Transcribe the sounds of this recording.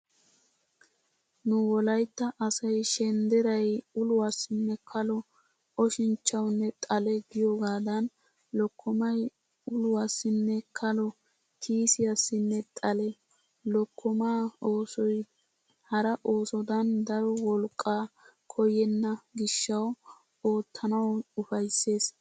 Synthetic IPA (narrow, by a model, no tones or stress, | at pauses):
nʊwɔlɐjt̪ːɐʔɐsɐjʃɛnd̪ɛɾɐjʊlʊwasːɪnːɛkʰɐlɔ | ɔʃɪnt͡ʃːɐwnːɛt̪ʼɐlɛɡɪjɔɡaːd̪ɐn | lɔkʰːɔmɐj | ʊlʊwasːɪnːɛkʰɐlɔ | k̪ʰiːsɪjɐsːɪnːɛt̪ʼɐlɛ | lɔkʰːɔmaːoːsɔj | hɐɾɐʔo̞ːsɔd̪ɐnd̪ɐɾɔwɔlkʼːaːkʰɔjɛnːɐɡɪʃːɐw | o̞ːt̪ʰːɐnɐwʊfɐjsːe̞ːs